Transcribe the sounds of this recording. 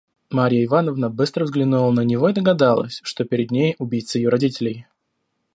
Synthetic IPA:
maɾʲɪjəɪvanəvnəbɨst̪ɾəvzɡlʲɪnulˠənənʲɪvo̞id̪əɡɐd̪alˠə̰sʲʂt̪o̞pʲɪɾʲɪd̪nʲejʊbʲijt̪səɪjoɾɐdʲitʲɪlʲɪj

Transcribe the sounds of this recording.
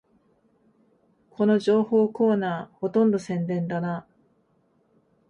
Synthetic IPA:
kʰo̞no̞ʑo̞ːhoːko̞ːnaːho̞t̪õ̞nd̪o̞sẽ̞nd̪ẽ̞nd̪ana

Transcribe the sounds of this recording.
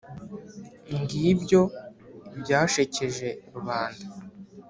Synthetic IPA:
iŋɡibɟo̞bɟaːʃece̞ʒe̞ɾuβaːnda

